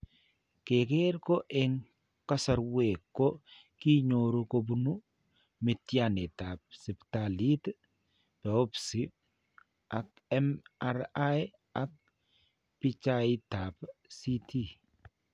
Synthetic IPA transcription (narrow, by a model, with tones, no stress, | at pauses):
ke˨ke˦ɾko˦ʔɪ˦ŋ | ka˦sa˨ɾwe˨kːo˦ | ki˦ɲoɾu˦ko˦bu˦nu˦ | mɪ˨tjane˨ta˨p̚si˨ptali˦t | pɛ˨o˦psi˨ | ʔa˨k | ɛmaɾa˦j | a˦k̚ | pi˦t͡ʃaita˨psi˦tʰi˦